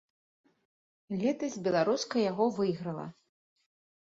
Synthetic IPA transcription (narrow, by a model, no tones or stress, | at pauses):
lʲɛt̪ɐzʲbʲɛlˠaɾuskɐjaɣɔvɨjɣɾɐlˠɐ̰